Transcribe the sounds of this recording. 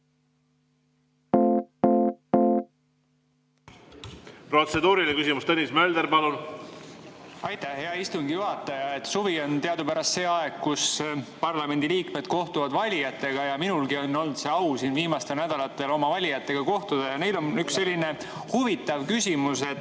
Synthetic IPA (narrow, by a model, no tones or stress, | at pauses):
pro̞t̪sed̪uːɾilekysimust̪enʲismeld̪eɾpɑlun | ɑjt̪æhhe̞ɑist̪uŋɡ̥ijuɦɑt̪ːˑɑjɑe̞t̪ːˑsuvio̞nt̪e̞ɑd̪upæɾɑst̪seːɑeɡ̥kːuspɑrlɑme̞nʲd̪iliːkme̞d̪̥ko̞ht̪uvɑd̪vɑlʲijɑt̪ːˑe̞ɡ̥ɑjɑminulɡio̞nːo̞lnt̪se̞ɑwsiːnviːmɑst̪e̞lnæd̪̥ɑlɑt̪ːˑe̞lo̞mɑvɑlʲijɑt̪ːˑe̞ɡ̥ɑko̞ht̪ud̪̥ejɑne̞jlo̞nyksːe̞lʲːine̞ | huvit̪ːˑɑvkysʲimuse̞t̪